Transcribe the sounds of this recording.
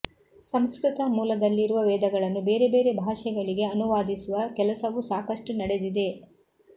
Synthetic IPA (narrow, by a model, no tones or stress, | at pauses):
sɐmskɾɪt̪ɐmuːlɐd̪ɐlːiɾuʋɐʋɛːd̪ɐɡɐɭɐnːubeːɾe̞be̞ːɾe̞bʱaːʂɛɡɐɭiɡe̞ɐnuʋaːd̪isuʋɐkɛlɐsɐʋusaːkɐʂʈunɐɽe̞d̪id̪e̞